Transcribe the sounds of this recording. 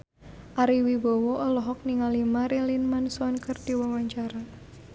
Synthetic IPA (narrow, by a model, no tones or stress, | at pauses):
ʔaɾiwibɔwɔʔɔlɔɦɔk̚niŋalimaɾilinmansɔnkərd̥iwawaɲt͡ʃaɾa